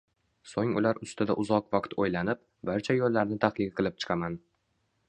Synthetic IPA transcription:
soŋʊ̰laɾʊst̪ʰɪd̪a̰ʔʊzɒqvaqt̪ʰojlanɪp̚ | baɾt͡ʃʰajolːaɾnɪt̪ʰaqlɪqʰɨlˠɪp̚t͡ʃʰɨ̥qʰaman

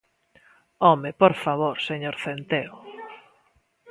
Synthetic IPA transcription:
ɔmepoɾfaβoɾseɲoɾθent̪eo

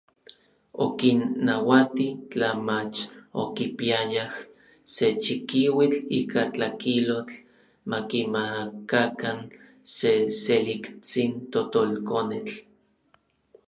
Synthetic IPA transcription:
okinːawat̪it͡ɬamat͡ʃo̰kipiajah | set͡ʃikiwit͡ɬiːkat͡ɬakilot͡ɬ | makimakakan | seselikt͡sint̪ot̪olkonet͡ɬ

